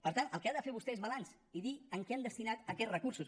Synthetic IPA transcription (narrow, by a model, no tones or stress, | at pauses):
pəɾt̪anəlˠkeaðəfeɾβust̪ɛezβəlans | iðiəŋkɛand̪əst̪inat̪əkɛt̪rəkuɾsus